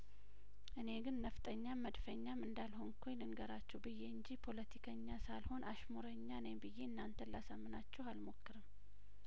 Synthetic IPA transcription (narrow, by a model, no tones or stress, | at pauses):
ʔɨne̞ɡɨnːəft̪ʼəɲːaməd̪fəɲːamɨnd̪alho̞nkʰulɨnɡəɾat͡ʃːɛwbɨjːeɨɲd͡ʒipʰo̞lət̪ʰikʰəɲːasalho̞nʔaʃmoɾəɲːanajmbɨjːe̞ɨnːant̪ʰənlasamːɨnat͡ʃːɛwalmo̞kːɨɾɨm